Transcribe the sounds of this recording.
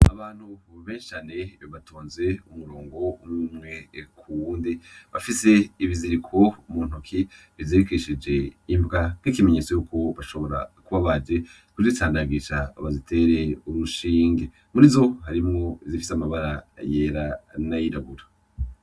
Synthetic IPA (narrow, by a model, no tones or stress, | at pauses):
aβaːn̥huβeːnʃi̥t͡ʃaːneβatuːnze̞umuɾoːŋɡo̞ummŋe̞kʰuwuːndiβafise̞iβiziɾikʰo̞umuːn̥ukʰi | βivziɾikiʃid͡ʒe̞imbɡakikimeɲe̞t͡so̞juːko̞βaʃo̞βo̞ɾa̰kuβaβad͡ʒe̞ | kuzitaːndaɡiʃaβazitʰe̞ɾe̞uɾuʃiːŋɡe | muɾizo̞haɾimŋo̞izifi̥samaβaɾaje̞ːɾanajiɾaɡuɾa